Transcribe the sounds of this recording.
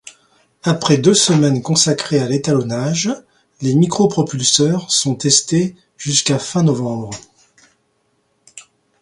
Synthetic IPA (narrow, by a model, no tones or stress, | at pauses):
apχɛd̪øsəmɛnkɔ̃sakχealet̪alɔnaʒ | lemikχɔpχɔpylsœʁsɔ̃t̪ɛst̪e | ʒ̥yskafɛ̃nɔvɑ̃bʁ